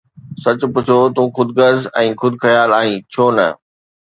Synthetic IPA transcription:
sɐt͡ɕʊ̆pʊt͡ɕʰot̪ũːxʊd̪ɡəɾzɛ̃ːxʊd̪xɐjaːlaːɦĩːt͡ɕʰoːnɐ̰

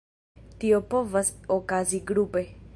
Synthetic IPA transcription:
t̪iopovasokaziɡɾupe

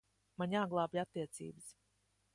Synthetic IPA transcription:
maɲaːɡlˠɑːbiat̪ːiɛt̪sḭːbɨs

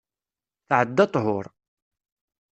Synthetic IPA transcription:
θʕəd̪ːɑt̪ˤɦʊɾˤ

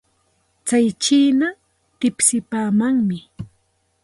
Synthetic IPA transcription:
t͡sajt͡ʃiːna | t̪ɪpsɪpaːmaŋmɪ

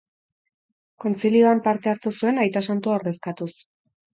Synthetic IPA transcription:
ko̞nt͡silio̞ampaɾt̪eaɾt̪usue̞najt̪asant̪uaoɾðe̞skat̪us

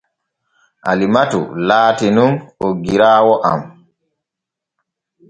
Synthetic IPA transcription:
ʔa̰limatṵlaːtinunoɡiɾaːwɔʔam

